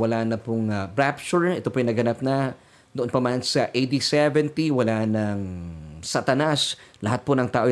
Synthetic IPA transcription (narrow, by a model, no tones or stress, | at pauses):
wɐlanɐpʊŋbɾap̚ʃʊɹɛt̪opoʔjnɐɡɐnap̚nɐ | d̪oʔonpɐmansɐʔejd̪isɛvɛnt̪iwɐlanɐŋsat̪ɐnaslɐɦat̪̚ponɐŋt̪aːʔo